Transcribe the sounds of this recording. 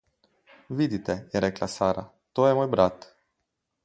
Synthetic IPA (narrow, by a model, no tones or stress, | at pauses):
ʋid̪it̪ɛjɛɾɛklasaːɾa̰ | t̪oːjɛmoːjbɾat̪